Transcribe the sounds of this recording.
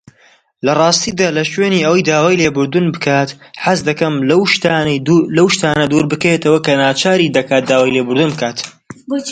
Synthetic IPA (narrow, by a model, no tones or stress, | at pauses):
lɐrˤɑːst̪id̪aːlɐʃweːniːɐwɐjd̪aːwaːjleːbɨɾd̪unbɨkʰaːt̪ħazd̪ɐkɐmlɐwʃt̪alɐwʃt̪aːnɐd̪uɾbɨkɐjet̪ɐwɐkɐnaːt͡ʃʰaːɾid̪ɐkaːt̪̚d̪aːwaːjlebʊɾd̪unbɨkʰaːt̪